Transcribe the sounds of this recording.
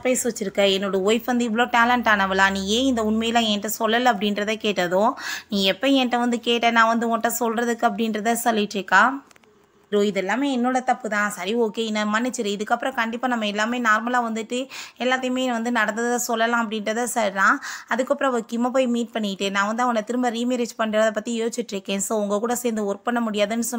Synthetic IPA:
poːjsʋɐt͡ʃːɪɾɯkːɐɛnːoːɽɐʋɔɪfʋɐnd̪ɯɪʋːɐɭoːʈaːlɐɳʈaːnɐʋɪlãːnĩːẽːɪnd̪ɐʊɳmɐjɪlãːɛːʈːɐsɔlːɐlɐɐp̬ːɐɽɪnɾɐðãːkeːʈːɐðõːnĩːɛpːɐɛːʈːɐʋɐnd̪ɯkeːʈːɐnãːʋɐnd̪ɯɔʈːɐ̃sɔlrɐðɯkːɯɐp̬ːɐɽɪnɾɐðasɔlːɪʈːɾɯkːaː | ɾoːɪðɛlːaːmeːɛnːoːɽɐt̪ɐpːɯt̪ãːsɐɾioːkeːɪnːɐmanɪt͡ʃːɯɾɯɪðɯkːɐpːɯɾɔ̃kɐɳɖɪpːaːnɐmːɐɛlːaːmeːnaːɾmɐlaːʋɐnd̪ɯʈːɯɛlːaːt̪ːɐjmeːʋɐnd̪ɯnɐɽɐnd̪ɐðɐasɔlːɐlãːɐp̬ːɐɽɪnɾɐðɐsɐɾlãːɐðɯkːɐpːɯɾɔ̃ɐʋɐɾkɪmɐp̬oːjmiːʈ̚pɐɳːɪɪʈːɯnãːʋɐnd̪ɯɐʋɐnɐt̪ɪɾɯmbɐɾiːmɪɾɐt͡ʃpɐɳːɾɐðɐpːɐt̪ːijoːt͡ʃːɪʈːɾɯkːẽːsoːʊŋɡɐkuːɽɐseːɾnd̪ɯɔɾk̚pɐɳːɐmʊɽɪjaːðɯnːɯsɔnː

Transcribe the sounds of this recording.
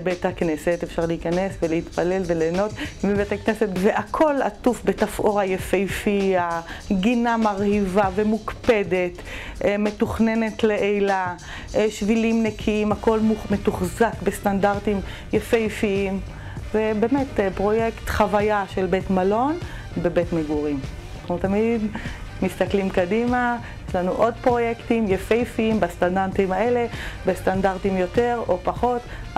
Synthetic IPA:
bethaknesetefʃaʁleikanesveleitpalelveleːno̞t̪mibethaknesetveʔakʰo̞la̰tufbetafʔo̞ʁajefejfiaɡinamaʁhivavemukpe̞de̞t | me̞tuχne̞ne̞tleʔejla | ʃvilimnekʰiimako̞lmume̞tuχzakbestandaʁtim | jafejfiim | vebe̞ːmetpʁo̞jekt̪χavajaʃe̞lbetmalo̞n | bebetmeɡuʁim | naχnut̪amid | mist̪aklimkadimajeʃlanuʔo̞dpʁo̞jektimjafejfiimbastandantimhae̞le̞bestandaʁtimjo̞teʁo̞paχo̞t

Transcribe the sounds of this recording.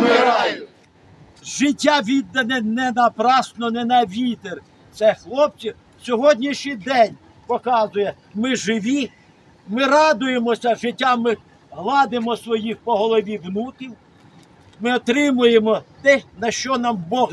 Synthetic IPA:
mɪɾɑʊ | ʒɪtʲːaʋʲid̪ːɐnɛnɛnɐpɾɑsnɔnɛnɐʋʲit̪er | t̪sɛxlˠɔp̚t͡s̪ʲi | sʲɔɦɔdʲnʲiʃʲijd̪ɛnʲ | pɔkɑzʊjɛ | mɪʒɪʋʲi | mɪrɑd̪ʊjemɔsʲɐʒɪtʲːamɪ | ɦlˠɑd̪ɪmɔsʋɔjixpɔɦɔlˠɔʋʲiwnukʲiw | mɪɔt̪ɾɪmʊjemɔt̪ɛnɐʃt͡ʃɔnɑmbɔɣ

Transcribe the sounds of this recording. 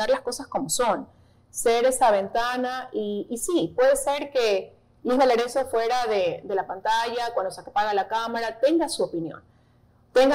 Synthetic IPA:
aɾlasko̞sasko̞mo̞so̞n | se̞ɾe̞saβe̞nt̪anaʔiːsipwe̞ðe̞se̞ɾke̞ | lihaleɾeso̞fwe̞ɾaðede̞lapant̪aʝakwand̪osakepaɣalakamaɾat̪e̞ŋɡasuopinjo̰n | t̪e̞ŋɡa

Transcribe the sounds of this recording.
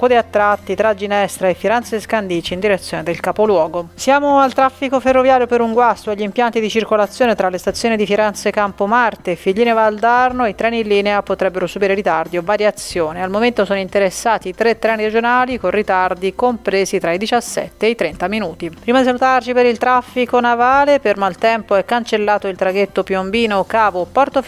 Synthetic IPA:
kud̪eat̪ːɾat̪ːit̪ɾad͡ʒːinɛst̪ɾaefːiɾɛnt̪seskand̪iːt͡ʃiːnd̪iɾet̪sjoːned̪elkapolwɔːɡosjaːmoalt̪ɾafːikoferːovjaːɾjopeɾuŋɡwast̪oaʎːimpjant̪id̪it͡ʃirkolat̪sːjoːnet̪ɾalːest̪at̪sːjoːnid̪ifiɾɛnt̪sekːampomart̪eːfːiʎːiːnevald̪arnoit̪ɾɛːnilːiːneapot̪ɾɛbːeɾosubiːɾeɾit̪ard̪iovaɾjat̪sːjoːnealmoment̪osoːnoint̪eɾesːaːt̪iːt̪ɾet̪ːɾɛːniɾed͡ʒonaːlikonrːit̪ard̪ikompɾeːzit̪ɾaid̪it͡ʃasːɛ̰t̪ːeːit̪ɾɛnt̪aminuːt̪ippɾimad̪is̬alut̪art͡ʃipeɾilt̪ɾafːikonavaːlepermalt̪ɛmpoɛkːant͡ʃelːaːt̪oilt̪ɾaɡet̪ːopjombiːnokaːvopɔrt̪o

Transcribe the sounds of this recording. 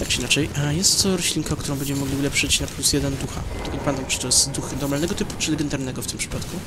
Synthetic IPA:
t̪akt͡ʂɨinat͡ʂɛjajɛst̪ːɔɾɔɕlʲiŋkaɔkt̪uɾɔw̃bɛɲd͡ʑɛmɘmɔɡlʲiulɛpʂɘt͡ɕnaplusjɛd̪ɛnd̪uxa̰t̪ɔɡɔɲpad̪ɔmt̪t͡ʂɨt̪ɔjɛst̪d̪uxnɔɾmalnɛɡɔt̪ɘpu̥t͡ʂɨlɛɡɛnd̪aɾnɛɡɔft̪ɘmpʂɘ̥pat̪ku

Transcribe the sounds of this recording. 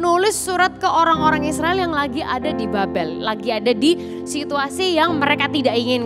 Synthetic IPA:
nulɪsːuɾat̪̚kəoɾaŋoɾaŋisɾaɪljaŋlaɡiʔadadibabɛllaɡiadadi | sit̪uasijaŋməɾekat̪idaʔiŋɪn

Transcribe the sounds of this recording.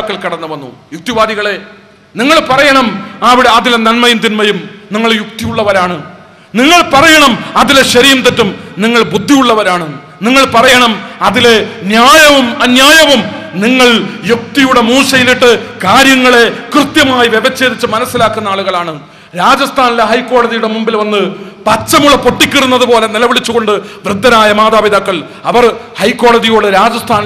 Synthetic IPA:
kːɐɭkɐɽɐnːuʋɐnːṵjuk̚t̪iʋaːd̪iɣɐɭe̞ | niŋːɐɭpɐrɐjɐɳɐmɐʋiɽeɐðilenɐnmɐjumt̪inmɐjumniŋːɐɭjuk̚t̪ijuɭːɐʋɐɾaːɳɨ | niŋːɐɭpɐrɐjɐɳɐmɐðile̞ɕɐɾijumt̪ɐtːumniŋːɐɭbud̪ʱːijuɭːɐʋɐɾaːɳɨ | niŋːɐɭpɐrɐjɐɳɐmɐðile̞njaːjɐʋumɐnjaːjɐʋumniŋːɐɭjuk̚t̪ijuɽe̞muːʂɐjiliʈːɨkaːɾjɐŋːɐɭe̞krɨt̪jɐmaːjiʋebɐt͡ɕːe̞ːðit͡ɕːɐmɐnɐsːilaːkːunːɐaːɭuɣɐɭaːɳɨ | ɾaːd͡ʑɐst̪ʰaːnileɦɐjkːo̞ːɭɐðijuɽe̞mumbilʋɐnːɨpɐt͡ɕːɐmuɭɐpo̞ʈːikʲːɐrunːɐðɨpo̞ːle̞nilɐʋiɭit͡ɕːuɣo̞ɳɖɨʋrɨd̪ʱːɐnaːjɐmaːðaːʋid̪akːɐɭ | ɐʋɐrhɐjkːo̞ːɭɐðijoːɽɨɾaːd͡ʑɐst̪ʰaːni

